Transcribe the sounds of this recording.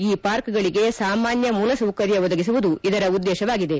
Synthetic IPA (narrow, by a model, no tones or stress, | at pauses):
iːpaːɾkɡɐɭiɡe̞saːmaːnjɐmuːlɐsɐwkɐɾjɐʋɔd̪ɐɡis̬uʋud̪uid̪ɐɾɐud̪ːɛːʃɐʋaːɡid̪e̞